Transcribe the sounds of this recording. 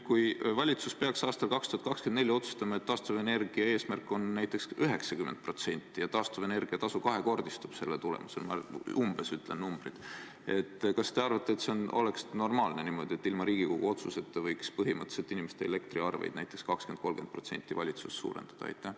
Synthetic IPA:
kujvɑlʲit̪suspe̞ɑksɑːst̪ɑlkɑkst̪u̥hɑt̪kɑkskend̪nelʲːio̞t̪su̥st̪ɑmɑe̞t̪t̪ːɑːst̪uvene̞rɡ̥iɑeːsmærkːˑo̞nːæjt̪ːˑe̞ksyɦe̞ksɑkymend̪̚pro̞t̪se̞nʲt̪ːˑijɑt̪ɑːst̪uvene̞rɡ̥iɑt̪ɑsukɑɦe̞ko̞rd̪̥ist̪ub̥se̞lːet̪ulḛmuselmɑumb̥e̞syt̪ˑle̞nnumb̥rid̪̥ | e̞t̪ːˑkɑst̪e̞ɑrvɑt̪ːˑeːt̪seono̞̰le̞ksno̞rmɑːlne̞nimo̞d̪̥ʲie̞t̪ːilmɑɾiːɡ̥iko̞ɡ̥ṵo̞t̪suse̞t̪ːevɤjkspɤɦimɤt̪ːˑset̪ːˑinimest̪eele̞kt̪riɑrvḛjd̪næjt̪ːˑekskɑkske̞n̚ko̞lɡ̥e̞nt̪̚pro̞t̪se̞̰nʲt̪ːˑivɑlʲit̪susːṵːɾḛnd̪̥ɑd̪̥ɑ̰ɑ̰jt̪ːˑæh

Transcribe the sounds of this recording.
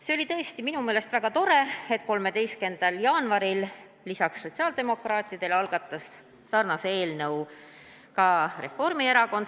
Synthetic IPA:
se̞o̞lit̪ɤ̞est̪iminume̞ːle̞st̪væɡ̥ɑt̪o̞ɾe̞e̞t̪ˑko̞lme̞d̪e̞jske̞nd̪̥ɑljɑːnvɑɾilː | isɑksːo̞t̪ʲsiɑːld̪e̞mo̞krɑːt̪ˑid̪̥e̞lɑlɡ̥ɑt̪ːˑɑsː | ɑrnɑsee̞ːlnɤw | kɑre̞̰fo̞rmieɾɑko̞n

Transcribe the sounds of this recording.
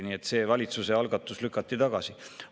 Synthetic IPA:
nie̞t̪ːˑse̞ːvɑlʲit̪suse̞ɑlɡ̥ɑt̪ːˑuslykːˑɑt̪ˑːit̪ɑɡ̥ɑsi

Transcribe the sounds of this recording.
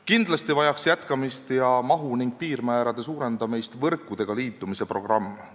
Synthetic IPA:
kind̪̥lɑst̪ivɑjɑksjæt̪kɑmist̪jɑmɑɦuniŋɡ̥̚piːɾmæeɾɑd̪̥e̞suːɾe̞nd̪̥ɑmejst̪vɤrkˑːud̪̥e̞ɡ̥ɑliːt̪ːˑumise̞pro̞ɡ̥rɑmː

